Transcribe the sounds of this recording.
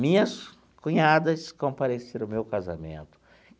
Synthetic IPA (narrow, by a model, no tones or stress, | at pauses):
mĩɲɐs | kũɲad̪ɐskõpaɾeseɾʊmewkaza̰mḛ̃nt̪ʊ̥